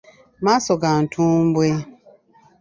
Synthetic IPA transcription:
masɔɡan̩tʰũm̩bwe

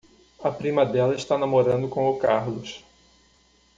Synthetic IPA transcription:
ɐpɾĩmɐd̪ɛlɐɪʃt̪anamoɾɐ̃nd̪ʊkõʊkaɾlʊʃ

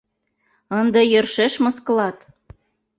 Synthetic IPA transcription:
ɤnd̪ɤjørʃeʃmə̆sklɑt̪

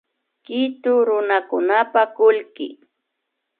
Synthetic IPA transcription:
kɪt̪ʊɾʊnakʊnapakʊlkɪ̰

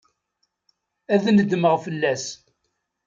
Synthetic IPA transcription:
æðnəd̪məʁfəlːæs

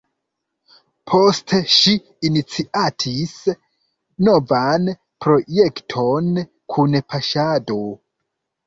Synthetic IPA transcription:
pʰo̞steʃiː | nit͡siʔatʰis | no̞van | pɾo̞je̞ktʰo̞n | kʰunpʰaʃado̞

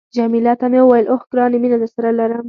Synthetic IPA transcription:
d͡ʒamilɑt̪amewwajəlʔoxɡɾɑːneminad̪əsaɾalaɾəm

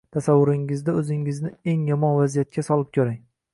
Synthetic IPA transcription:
t̪ʰasavːʊɾɪŋɪzd̪aɵzɪŋɪznɪe̞ŋjɒmɒnvazijat̪̚kʲasɒlˠɪp̚kʰʲɵɾaŋ

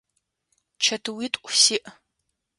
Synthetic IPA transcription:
t͡ʃʰɐtʰɨwitʼʔʷʼsiʔ

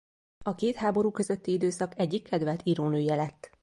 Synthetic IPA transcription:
ɒkeːt̪haːbo̞ɾuːkø̞zøt̪ːiid̪øːsɒkɛɟːikːɛd̪vɛlt̪ʰiɾoːnøːjɛlɛt̪ː

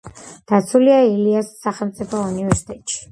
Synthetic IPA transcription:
d̪̥at̪sʰuliailiasːaχɛlˠmt̪sʼipʰɔunivɛɾsi̥t̪ʼɛt̪ʼʃi̥

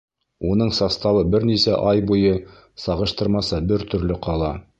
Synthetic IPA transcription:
unɤɴsɑst̪ɑβɤbɘɾnisæʔɑjbujɤ | sɑʁɤ̆ʃt̪ɤ̆ɾmɑsɤbɘɾt̪ɵ̆ɾlɘqʰɑlˠɑ

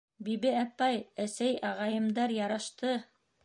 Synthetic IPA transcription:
biβɘæpɑjæsæjʔɑʁɑjɤ̆md̪ɑɾjɑɾɑʃt̪ɤ

